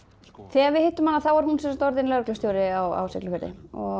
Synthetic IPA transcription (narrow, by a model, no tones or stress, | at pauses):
θɛːɣaɾvɪðhɪt̪ːʏmanːaθawaɾ̥hunsɛmsat̪ɔɾðɪnlœɾklʏst̪jowɾɪawa̰wsɛklʏfɛɾðɪ̰ɔ